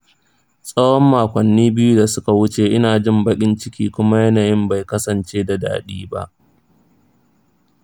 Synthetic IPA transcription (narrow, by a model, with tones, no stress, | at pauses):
sʼɐ˦wɔ˦mːaː˨kʷɐ˨nːiː˦bɪ˦ju˦da˨sʊ˦ka˨wʊ˦t͡ʃeː˨ʔɪ˦naː˨d͡ʒɪ˦˨mbɐ˦kʲʼɪ˦nt͡ʃɪ˦kʲiː˦kʷʊ˦ma˦jɐ˦naː˨jɪ˦mba˨jkɐ˦sɐ˨nt͡ʃeː˦da˨da̰ː˨ɗiː˦ba˦ʔ